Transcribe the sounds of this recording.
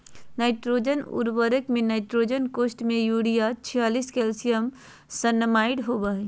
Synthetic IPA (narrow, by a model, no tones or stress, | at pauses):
naɪʈɾod͡ʒənṵɾbəɾəkmenaɪʈɾod͡ʒənkosʈmejuɽijat͡ʃʰijaliskelsijəm | sənmaiɽɦobəɦɛ